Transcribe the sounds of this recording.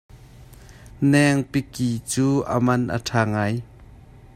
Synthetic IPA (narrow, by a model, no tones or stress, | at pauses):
nɛŋpikit͡suːʔə̰mɐnʔə̰ʈʰaːŋaːj